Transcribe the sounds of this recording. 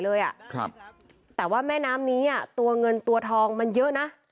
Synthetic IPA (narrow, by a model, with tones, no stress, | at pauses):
lɤː˧jʔa˨˩ʔkʰa˧˩p̚ | t̪ɛː˨˩waː˥˩mɛː˥˩naː˦˥mniː˦˥ʔa˥˩t̪u˧ɐŋɤ˧nt̪u˧ɐt̪ʰɔː˧ŋma˧njɤ˦˥ʔna˦˥